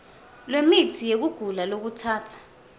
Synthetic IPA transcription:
lwemitʰijek̬uɡ̥ʱulalok̬utʰaːtʰḁ

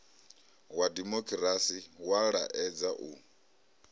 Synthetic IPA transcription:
wadimɔkʰʼɾasiwaɺaʔɛd͡zaʔu

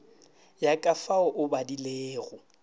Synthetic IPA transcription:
jakʼafaʊʔʊbadileːɣʊ

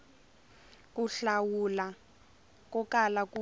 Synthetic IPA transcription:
kuɬawula | k̬ʼɔkalakʼu

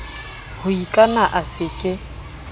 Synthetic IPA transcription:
hʊikʼanaʔasɪkʼɪ

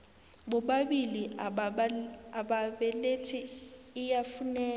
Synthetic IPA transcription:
ɓɔɓaɓili | aɓaɓɛletʰiː | jafunɛː

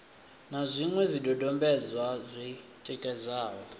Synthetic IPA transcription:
nazʷiŋwɛzʷidɔdɔmbɛd͡zwazʷi | tʼɛkʼɛzaːwɔ

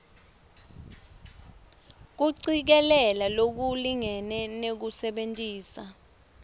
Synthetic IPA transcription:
k̬uǀik̬ɛlɛlalok̬uliŋɛnɛnek̬usɛɓentʼiːsa

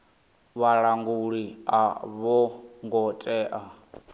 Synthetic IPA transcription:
βaɺaŋɡuɺiaβɔŋɡɔtʼɛːʔa

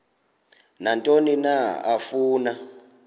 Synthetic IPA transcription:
nantʼoninaafuːna

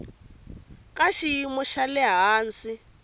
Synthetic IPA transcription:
kʼaʃiimɔʃalɛɦaːnt͡si

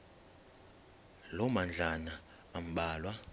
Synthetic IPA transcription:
lɔmand͡ɮʱanaː | m̩ɓaːlwa

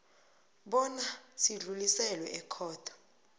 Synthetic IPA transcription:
ɓɔnasiɮulisɛlwɛʔɛkʰɔːtʰḁ

